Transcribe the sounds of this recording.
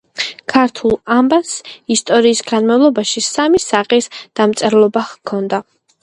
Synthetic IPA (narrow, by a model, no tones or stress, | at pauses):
kʰaɾt̪ʰulˠambasist̪ʼɔɾiːsɡanmavlˠɔbaʃisamisaqʼisd̪̥amt̪sʼɛɾlˠɔbaχkʰɔnd̪a